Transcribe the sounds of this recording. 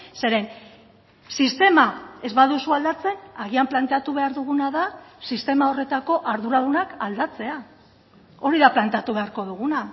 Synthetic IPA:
se̞ɾe̞n | sist̪e̞mae̞zβaðusuald̪at͡se̞naɣiamplant̪e̞at̪uβ̞e̞aɾðuɣunaðasist̪e̞mao̞re̞t̪ako̞ʔaɾðuɾaðunakald̪at͡se̞a | o̞ɾiðaplant̪eat̪uβ̞e̞aɾko̞ðuɣuna

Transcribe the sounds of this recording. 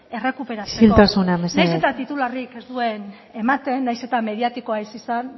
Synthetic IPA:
e̞re̞kupe̞ɾaseilt̪asunamesneajsset̪at̪it̪ularike̞zd̪ue̞n | e̞mat̪e̞nːajse̞t̪ame̞ðiat̪iko̞aisisan

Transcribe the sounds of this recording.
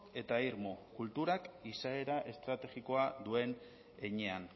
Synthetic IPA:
e̞t̪aiɾmokult̪uɾakisae̞ɾaʔe̞st̪ɾat̪e̞ɣiko̞ad̪ue̞n | eɲe̞an

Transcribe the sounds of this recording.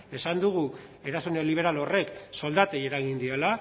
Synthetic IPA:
e̞sand̪uɣ̞ue̞ɾasunliβ̞e̞ɾalo̞re̞kso̞ld̪at̪eje̞ɾaɣind̪iela

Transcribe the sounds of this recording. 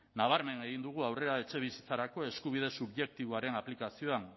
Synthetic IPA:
naβ̞aɾme̞ne̞ɣind̪uɣ̞uawre̞ɾae̞t͡ʃe̞β̞isit͡saɾako̞e̞skuβ̞ið̞e̞suβje̞k̚t̪iβoaɾe̞naplikasio̞an

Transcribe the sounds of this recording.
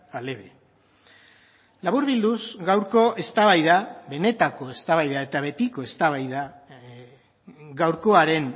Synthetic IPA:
ale̞βe | laβuɾβild̪usɡawɾko̞ʔe̞st̪aβajðaβe̞ne̞t̪ako̞e̞st̪aβajðae̞t̪aβe̞t̪iko̞e̞st̪aβajða | ɡawɾko̞aɾe̞ŋ

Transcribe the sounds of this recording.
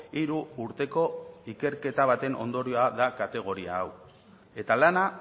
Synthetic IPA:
iɾuːɾt̪e̞ko̞ike̞ɾke̞t̪aβ̞at̪e̞nʔo̞̰nd̪o̞ɾioaðakat̪e̞ɣ̞o̞ɾiaːw | e̞t̪alana

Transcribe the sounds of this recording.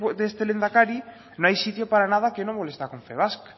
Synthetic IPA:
d̪est̪elend̪akaɾi | nõŋajsit̪jopaɾanað̞ɐkenõŋbolest̪akoɱfḛβask

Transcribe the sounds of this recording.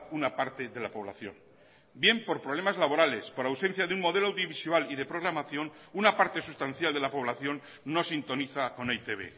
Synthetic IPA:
unapaɾt̪eðe̞lapo̞β̞la̰θjo̞̰n | bje̞mpo̞ɾpɾoβle̞mazlaβo̞ɾale̞spo̞ɾawse̞n̟θjaðeuŋmo̞ð̞e̞loawðjoβisualiðe̞pɾo̞ɣ̞ɾamaθjo̞nunapaɾt̪e̞sust̪anθjald̪e̞lapo̞β̞laθjo̞nː | o̞sint̪o̞niθako̞nejt̪e̞βḛ

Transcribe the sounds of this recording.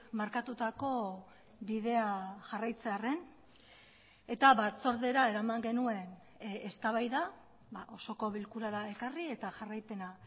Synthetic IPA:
maɾkat̪ut̪ako̞ | βiðe̞aʝarajt͡se̞are̞n | e̞t̪aβat͡so̞ɾðe̞ɾae̞ɾamaŋɡe̞nue̞n | est̪aβajða | baʔo̞so̞ko̞βilkuɾaɾae̞karie̞t̪aʝarajpe̞na

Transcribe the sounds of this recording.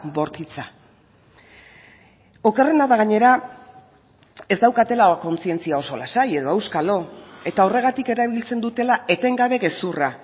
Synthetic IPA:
bo̞ɾt̪it͡sa | o̞kerenaðaɣ̞aɲe̞ɾa | e̞zd̪awkat̪e̞lako̞nt͡sie̞nt͡siao̞so̞lasaje̞ðo̞ewskalo̞e̞t̪ao̞re̞ɣ̞at̪ike̞ɾaβ̞ilt͡se̞nd̪ut̪e̞lae̞t̪e̞ŋɡaβe̞ɣe̞sura

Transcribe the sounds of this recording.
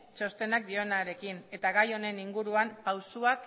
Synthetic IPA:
t͡ʃo̞st̪e̞nak̚d̪io̞naɾe̞kine̞t̪aɣajo̞ne̞niŋɡuɾuampawsuak

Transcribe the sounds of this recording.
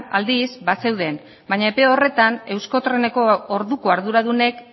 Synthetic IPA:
ald̪izbase̞wð̞e̞n | baɲaepe̞o̞re̞t̪ane̞wsko̞t̪ɾe̞ne̞ko̞oɾðukoaɾðuɾaðune̞k

